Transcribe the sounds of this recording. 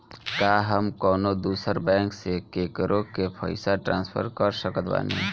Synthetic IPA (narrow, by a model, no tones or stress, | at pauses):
kaɦəmkɔːnod̪uːsəɾbɛ̃ːŋksekeːkəɾʔokepʰə̰ɪsaʈɾãːnspʰə̰ɾkəɾsəkət̪ba̰nḭ